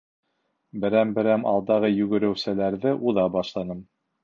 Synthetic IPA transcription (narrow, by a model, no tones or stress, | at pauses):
bɘ̆ɾæmbɘ̆ɾæmɑ̰lˠd̪ɑʁɤjʉɡɘ̆ɾɘ̆wsælæɾðɘʔuðɑbɑʃlˠɑnɤm